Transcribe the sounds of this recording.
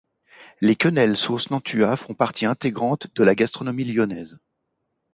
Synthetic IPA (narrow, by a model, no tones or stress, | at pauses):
lekʲɔnɛlsosnɑ̃t̪ʰyafɔ̃paʁt̪ʰiɛ̃t̪eɡʁɑ̃t̪d̪əlaɡast̪χɔnɔmiljɔnɛz